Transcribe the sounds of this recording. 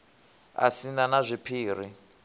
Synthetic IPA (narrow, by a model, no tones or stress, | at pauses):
a̰sinanazʷipʰiːr̤i